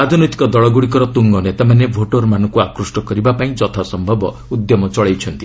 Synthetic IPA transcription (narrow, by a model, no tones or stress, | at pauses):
ad̪ʱnojt̪i̥kɔd̪ɔɭɔɡuɽikɔɾɔt̪uŋɡɔnet̪amanebʱoʈɔɾmanɔ̃ŋkuakɾusʈɔkɔɾibapaĩd͡ʒɔt̪ʰasɔmbʱɔbɔ | ud̪jɔmɔt͡ʃɔɭejt͡ʃʰɔnt̪i